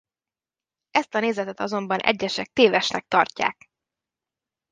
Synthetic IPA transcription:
ɛst̪ɒneːzɛt̪ɛt̪ɒzo̞mbɒnʔɛ̰ɟːɛʃɛk̚t̪eːvɛʃnɛk̚t̪ɒrca̰ːk

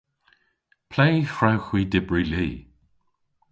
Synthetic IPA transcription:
pʰlejfɹawxwiːdɪbɹiliː

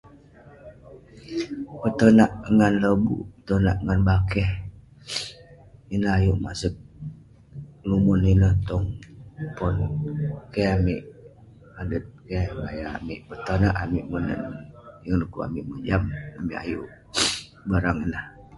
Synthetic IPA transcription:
pət̪ənaʔŋanləbṵpə̥t̪onaʔŋanbakɛh | inəhajuʔma̰sək̚ | lumuninəht̪ɔŋpɔnkeamiʔ | madət̪̚kemajaamiʔpət̪ənaʔamiʔmənə̰njəŋnəkua̰miʔmənd͡ʒamamiʔa̰juʔ | baɾaŋinah

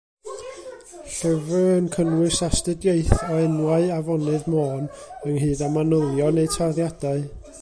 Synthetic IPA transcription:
ɬəvəənkʰənwɨsastɨdjeɨθɔɛnwaɨavɔnɨðmoːnəŋɦɨːdamanʊlˠjɔnejtʰaðjadaɨ

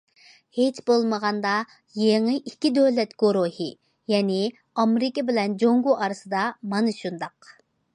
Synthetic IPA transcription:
het͡ʃbolˠməʁɑnd̪ɑ | jeŋɨʔikʲːid̪øwlɛt̪ɡ̥oɾohɨ | jɛnɪ | ɑmeɾɪkʲɪbɪlɛnd͡ʒoŋɡuʔɑɾɨsɨd̪ɑmɑnɨʃund̪ɑq

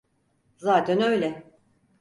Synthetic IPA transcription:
zaːt̪ʰænø̞jlʲɛ

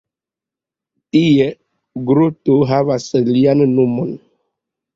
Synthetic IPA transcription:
tie | ɡɾutoɦavaslianːomon

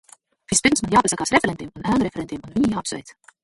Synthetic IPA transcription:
fispimsmɑnjɑːbesɑɡ̥ɑsɾefeɾend̪̥imonæːnɾefeɾend̪imonminʲijɑːpso̰jt̪

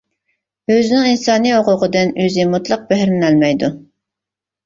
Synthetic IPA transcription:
øzɪnɪŋinsɑːnioʁʊʁəd̪ɨnøzɪmut̪lˠəq̚bæɦɾnɪnælmɛjd̪u

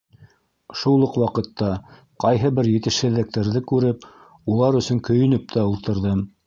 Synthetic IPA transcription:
ʃulˠɤqwɑqɤ̆t̪ːɑ | qɑjɦɤbɘɾjɘ̆t̪ɘ̆ʃhɘ̆ðːɘ̆k̚t̪æɾðɘkʉɾɘp | ulˠɑɾɵ̆sɵŋkɵ̆jɵ̆nɵp̚t̪æulˠt̪ɤ̆ɾðɤm

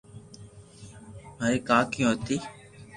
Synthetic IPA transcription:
maːɾeːkaːkɪjõːɦət̪iː

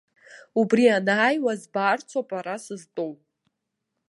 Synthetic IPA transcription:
ubrianaːjwazbart͡sʷʰapʼaɾasɨztʼowpʼ

